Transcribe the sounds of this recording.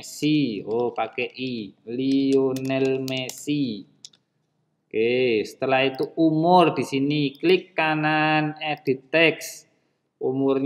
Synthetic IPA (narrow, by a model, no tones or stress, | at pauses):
siopakeʔilionɛlmesi | kesə̥t̪əlahit̪uumʊrd̪̥i̤siniklikːananɛd̪̥i̤t̪ɛks | umʊrɲ